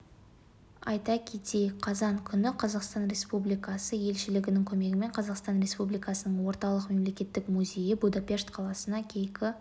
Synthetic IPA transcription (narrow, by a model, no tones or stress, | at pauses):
ɑ̰jt̪ɑkʲʰe̞t̪e̞jqʰɑzɑɴkʲʰʏnɪqʰɑzɑqst̪ɑnɾʲe̞spublijkɑsəje̞lʃɪlɪɡʲɪnɪŋkʲʰɵme̞ɡʲɪme̞ɴqʰɑzɑqst̪ɑnɾʲe̞spublijkɑsənəɴwo̞ɾt̪ɑlˠəqme̞mle̞kʲe̞t̪ːɪkmuzʲe̞jɪbud̪apʲe̞ʂt̪qʰɑlˠɑsənɑkʲʰe̞jkʲɪ